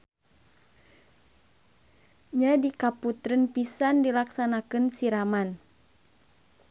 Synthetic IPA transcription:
ɲadikaput̪ɾənpisandilaksanakɨnsiɾaman

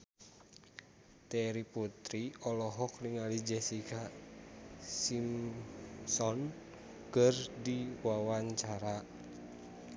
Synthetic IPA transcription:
t̪ɛɾiput̪ɾiɔlɔɦɔkliŋalid͡ʒɛsika | sim | sɔn | kərdiwawaɲt͡ʃaɾa

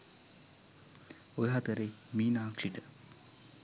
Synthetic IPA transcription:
ojɦat̪əɾemiːnaːkʂiʈə

